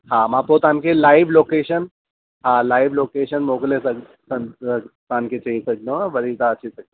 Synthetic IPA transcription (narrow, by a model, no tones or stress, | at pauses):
hãmapot̪ãnkelaiʋlokeɕən | ɦãlaiʋlokeɕənmoklesəɡ | sənət̪anket͡ɕeisəɡnõʋəɾit͡s̪aət͡ɕisəɡe